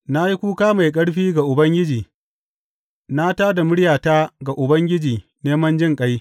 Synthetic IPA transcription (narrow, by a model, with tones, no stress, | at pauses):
na˦ji˦kʷuː˦kaː˦ma˨jkʼɐ˦ɽɸiː˦ɡa˨ʔʊ˨bɐ˦ŋɡʲɪ˦d͡ʒiː˨ | na˦taː˦da˨mʊ˦ɽjaː˨taː˦ɡa˨ʔʊ˨bɐ˦ŋɡʲɪ˦d͡ʒiː˨ | neː˦mɐ˦nd͡ʒɪ˦ŋkʼa˦j